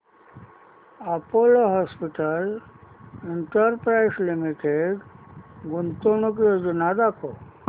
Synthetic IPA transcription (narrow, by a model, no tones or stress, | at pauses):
apoloɦɔspiʈəl | iɳʈəɾpɾajslimiʈeɖɡunt̪oñuk̬eod͡ʒunad̪ako